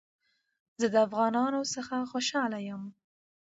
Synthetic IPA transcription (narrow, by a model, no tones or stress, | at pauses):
zəd̪əafɣɑnɑnosəxaxoʃɑlajəm